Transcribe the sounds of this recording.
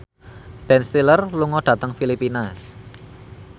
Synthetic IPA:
b̥ɛnst̪ilərluŋɔɖ̥ä̤t̪əŋfilipina

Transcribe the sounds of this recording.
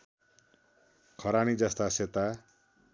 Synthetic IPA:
kʰʌɾanid͡zʌst̪aset̪a

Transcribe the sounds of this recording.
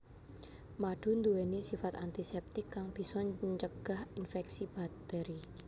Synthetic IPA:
maɖ̥ṳnd̪uwenisifat̪ant̪isɛp̚t̪ɪkːaŋb̥i̤sɔt͡ʃəɡ̥a̤hinfɛksib̥a̤k̚t̪ɛɾi

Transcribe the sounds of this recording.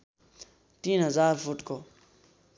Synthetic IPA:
t̪iːnɦəzaːɾfuʈkoː

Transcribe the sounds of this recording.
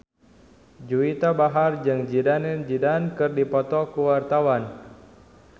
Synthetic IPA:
d͡ʒuit̪abaɦard͡ʒɨŋd͡ʒidanɛnd͡ʒidankɨrdipɔt̪ɔkuwart̪awan

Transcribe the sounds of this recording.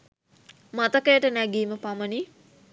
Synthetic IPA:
mat̪əkəjəʈənæɡiːməpaməni

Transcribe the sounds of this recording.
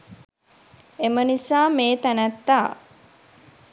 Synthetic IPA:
emənisaːmeːt̪ænæt̪ːaː

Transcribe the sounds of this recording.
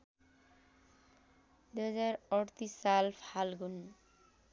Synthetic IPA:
d̪uɦazaɾɔɽt̪isalpʰalɡun

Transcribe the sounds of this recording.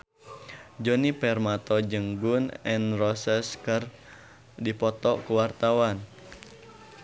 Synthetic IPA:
d͡ʒɔnipɛrmat̪ɔd͡ʒəŋɡunɛnrɔsɛskər | dipɔt̪ɔkuwart̪awan

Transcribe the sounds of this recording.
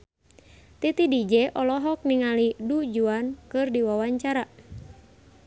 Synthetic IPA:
t̪it̪idid͡ʒɛʔɔlɔɦɔk̚niŋalidud͡ʒuankɨrdiwawaɲt͡ʃaɾa

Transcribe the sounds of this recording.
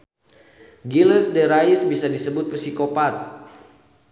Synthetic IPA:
ɡiləsdɛɾaisbisadisəbʊt̪̚pəsikopat̪̚

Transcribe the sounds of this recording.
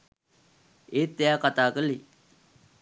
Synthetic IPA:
et̪ːejakat̪aːkəli

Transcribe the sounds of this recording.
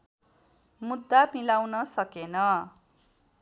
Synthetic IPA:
mud̪ːapilawnʌsʌkenʌ

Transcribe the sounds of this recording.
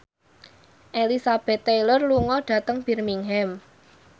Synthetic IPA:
ʔelisab̥ɛ̤t̪ːejlərluŋɔɖ̥ä̤t̪əŋb̥i̤rmiŋɦɛm

